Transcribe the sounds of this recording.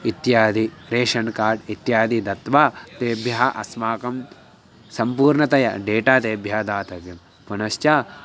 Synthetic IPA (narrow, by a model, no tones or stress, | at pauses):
it̪jaːd̪iɾeːʃɐnkaːɾɖit̪jaːd̪id̪ɐt̪ʋaːt̪eːbʱjɐɦɐʔɐsmaːkɐm | sɐmpuːɾɳɐt̪ɐjɐ̰ɖeːʈaːt̪eːbʱjɐɦɐd̪aːt̪ɐʋjɐm | punɐʃt͡ʃaː